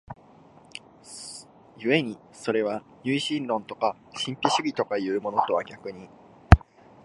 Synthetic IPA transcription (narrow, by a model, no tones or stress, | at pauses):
jɯ̟e̞ɲ̟i | so̞ɾe̞β̞a | ɲʲɨ̟iɕĩnɾõ̞nt̪o̞ka | ɕĩmpʲiɕɨbʲit̪o̞kaiɯ̟ːmo̞no̞t̪o̞βaɡʲakɯ̟ɲ̟i